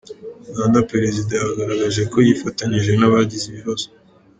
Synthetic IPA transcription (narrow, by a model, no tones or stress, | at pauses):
ɡaːndapɾeɾezidajahaɡaɾaɡaʒe̞ko̞jifataɲiʒe̞naβaɟiziβiβazo̥